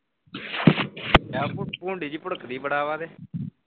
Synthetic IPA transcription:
aːppũːɳɖiːd͡ʒiːpəɽəkd̪iːbəɽaːʋaːd̪eː

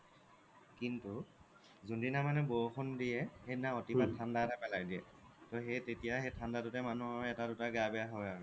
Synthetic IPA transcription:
kintu | zundinamanɛboxʰɔndijɛhejnaotibatʰːandaɛtapɛlajdiɛ | tɔxejtetijaxejtʰandatʊtɛmanuhɔjɛtadʊtaɡabɛjaɦɔjaɹɛ

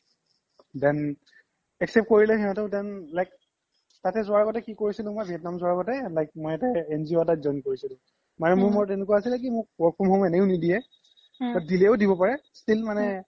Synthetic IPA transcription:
dɛn | ɛksɛp̚t̚koɹilɛɦinatɛʊdɛnlajk | tatɛzʊaɹɡɔtɛkikoɹisilʊ̃mobʱiɛtnamzʊaɹaɡɔtɛlajk̚mɔjɛtɛːnziotazɔnkoɹisilʊ̃ | manɛmʊɹmʊɹtenʊkuaasilɛk̬imʊk̚wɔɹ̚pʰɔmhɔmɛnɛjʊnidijɛ | badilɛʊdibɔpaɹɛstilmanɛ

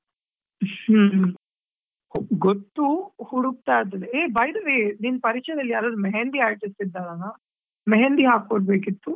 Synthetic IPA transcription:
h | ɡot̪ːuhuɽuk̚t̪aːd̪ɐd̪eeːbɐjd̪ɐʋeːniːnpɐɾit͡ʃɐjd̪ɐlːijaːɾɐːd̪umɛɦend̪iaːɾʈisʈid̪ːaːnanaː | mɛɦend̪iɦaːk̚koɽbeːkit̪ːu

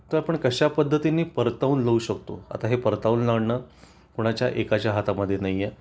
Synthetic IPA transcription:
t̪əɾapəɳkəɕapəd̪ʱːət̪inːiːpəɾt̪auːnləuːɕəkt̪o̰a̰t̪aɦepəɾt̪auːnlaɽɳəː | koɽ̃at͡ɕjaʔekat͡ɕjaɦat̪aməd̪ʱːjenaɦjːe

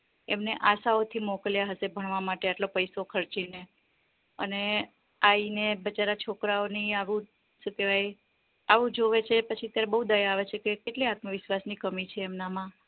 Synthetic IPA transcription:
emneʔasaot̪ʰimɔkəljaɦəsebʱəɳ̃ʋamaʈeaʈlopəjsokʰəɾt͡ʃine | ə̰ne | ainebət͡ʃaɾat͡ʃʰokɾaoniaʋũ | sət̪eʋaj | aʋũd͡ʒoʋet͡ʃʰepət͡ʃʰiət̪jaɾebəɦud̪əjaːʋet͡ʃʰekekeʈleat̪məʋɪʃʋasnikəmit͡ʃʰeːmnamã

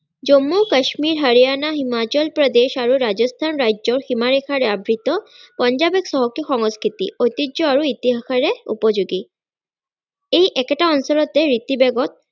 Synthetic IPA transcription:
d͡ʑomːokəʃmiɾɦəɾijanaɦimat͡ɕɔlpɾod̪eʃaɾuɾad͡ʑost̪ʰanɾajd͡ʑoɾximaɾekʰaɾeabɾit̪opɔnd͡ʑabeksɔɦokixɔŋoskʰit̪ḭojt̪iʑoaɾuit̪iɦakʰaɾeṵpod͡ʑuɡi | ejʔɛkeʈaɔnsɔlot̪eɾit̪ibeɡot̪̚

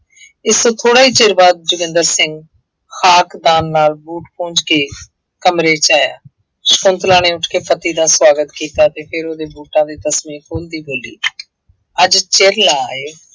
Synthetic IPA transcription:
ɪst̪õːt̪ʰoːɽaːiːt͡ʃɪɾbaːd̪̚d͡ʒʊɡɪ̃nd̪əɾsɪ̃ŋɡ | xʰaːkd̪aːnːaːlbuːʈpõːɲd͡ʒkeː | kəmɾeːt͡ʃaːja̰ː | skʊ̃nt̪lãːneːʊʈʰkeːpʰət̪iːd̪aːswaːɡət̪kiːt̪aːt̪eːpʰɪɾoːd̪eːbuːʈãːd̪iːt̪əsmĩːkʰoːld̪iːboːlḭː | əd͡ʒt͡ʃeɾlaːeː

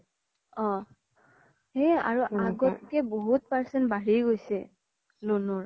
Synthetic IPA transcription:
ɔ̃ | ɦɛa̰ɹuaɡɔt̚kɛboɦut̚paɹsɛnbaɹiɡojsɛ | lonuɹ

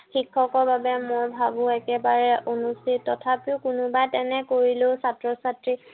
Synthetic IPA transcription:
xikʰːɔkɔɹbabɛmojbʱabʊ̃ɛkɛbaɹɛʔonustʰitːɔtʰapiʊkʊnʊbajtɛnɛkoɹilʊ̃satɹɔsatɹi

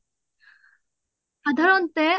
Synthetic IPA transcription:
pad̪aɾʌnt̪͈e

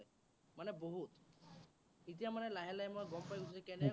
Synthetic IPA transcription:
j | manɛboɦut̪ | it̪̬ijamanɛlaɦɛlajmɔjɡɔmpajut͡ʃʰd͡ʒɛkɛnɛ

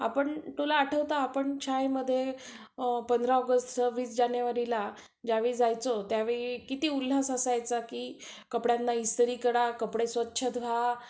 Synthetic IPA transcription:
a̰pəɳʈ̪ulaːʈʰəʋt̪aːpəɳt͡ɕʰajməd̪ʱːje | pənd̪ɾaɔɡəsʈʋiːsd͡ʑanjəʋaɾila | d͡ʑaʋiːd͡zajt͡sot̪jaʋeɭikit̪iːul̤ːasasajt͡sakiːkəpɽjanːaist̪əɾiːkəɽakəpɽesʋətːɕʰət̪ʋ̤ʱa

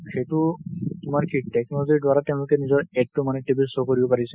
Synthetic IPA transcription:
xejtʊtʊmaɹkʰitɛknɔlɔziɹdwaɹateʊ̃lʊkɛnizɔɹɛd̚tːʊmanɛʈibisokoɹibɔpaɹisɛ

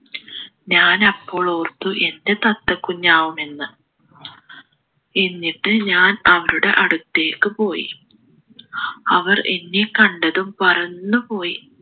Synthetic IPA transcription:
ɲaːnɐpːo̞ːɭo̞ːrt̪ːuʔe̞nde̞t̪ɐt̪ːɐkːuɲːaːwume̞nːɨ | enːiʈːɨɲaːnɐʋɐɾuɽe̞̰ʔɐɽut̪ːe̞ːkːɨpo̞ːjḭ | ɐʋɐrʔḛnːikɐɳɖɐðumpɐrɐnːupo̞ːji

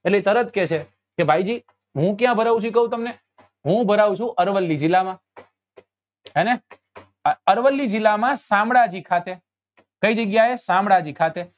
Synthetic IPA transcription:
eʈlet̪əɾət̪kɛt͡ʃʰe | kebʱaid͡ʒiː | ɦũkjãbʱəɾaʋũt͡ʃʰuikəɦũt̪əmne | ɦũbʱəɾaʋũt͡ʃʰũʔəɾʋəlːid͡ʒɪlamã | ene | əɾʋəlːid͡ʒɪlːamãsãmɽad͡ʒikʰat̪e | kəid͡ʒəɡjaesãmɽad͡ʒikʰat̪e

